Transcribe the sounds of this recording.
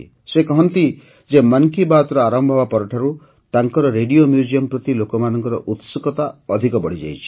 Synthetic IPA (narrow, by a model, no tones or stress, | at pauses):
sekɔɦɔnt̪i | d͡ʒemaŋkibat̪ɾɔaɾɔmbʱɔbapɔɾɔʈʰaɾu | t̪aŋkɔɾɔɾeɖiomjud͡ʒijɔmpɾɔt̪ilokɔmanɔŋkɔɾɔʔut̪sukɔt̪aɔd̪ʱikɔbɔɽ̤id͡ʒa̰jt͡ʃʰi̥